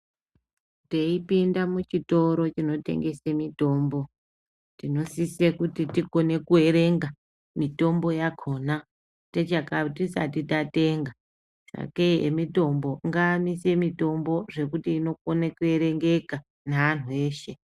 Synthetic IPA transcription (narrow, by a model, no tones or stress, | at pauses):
teipindamut͡ʃito̞ɾo̞t͡ʃino̞tḛŋɡe̞semito̞ːmbo̞ | tino̞sisekutitiko̞ne̞kue̞ɾe̞ŋɡa | mito̞mbo̞jakʰoːna | tet͡ʃakatisa̰titate̞ŋɡa | sa̰keḛmito̞mbo̞ŋɡaːmise̞mito̞mbo̞ʐe̞kutiːno̞konekue̞ɾe̞ŋɡe̞ka | naʋan̤ue̞ːʃe̞